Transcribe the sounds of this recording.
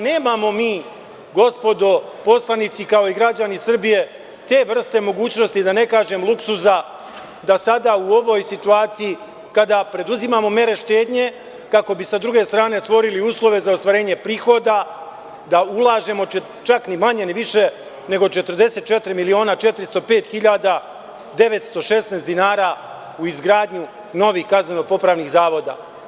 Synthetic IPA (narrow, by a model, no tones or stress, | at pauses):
ne̞ːmamo̞miː | ɡo̞spo̞d̪o̞po̞slˠanit̪sikao̞iɡɾad͡ʑanisr̩bije̞ | t̪e̞ːʋr̩st̪e̞mo̞ɡuːt͡ɕno̞st̪id̪ane̞kaːʒe̞mlˠuksuza | d̪asad̪auo̞ʋo̞ːjsit̪uaːt̪siji | kad̪apɾe̞d̪uzimamo̞me̞ɾe̞ʃt̪e̞ːd̪ɲe̞ | kako̞bisad̪ɾuɡe̞st̪ɾaːne̞st̪ʋo̞ɾiliuːslˠo̞ʋe̞zaost̪ʋaɾe̞ːɲe̞pɾiːxo̞d̪a | d̪aulˠaːʒe̞mo̞t͡ʃ | t͡ʃaknimaɲe̞niʋiʃe̞ | ne̞ɡo̞t͡ʃe̞t̪ərd̪e̞se̞t̪̚t͡ʃe̞t̪ɾimilio̞ːnat͡ʃe̞t̪ɾist̪o̞pe̞ːt̪xiʎaːd̪a | d̪e̞ʋe̞t̪st̪o̞ʃe̞sneːst̪d̪inaːɾa | uizɡɾaːd̪ɲu | no̞ʋiːxkazneno̞po̞pɾaːʋniɣzaːʋo̞d̪a̰